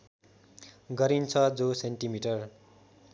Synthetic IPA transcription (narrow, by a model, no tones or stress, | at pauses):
ɡʌɾint͡sʰʌd͡zosenʈimiʈʌr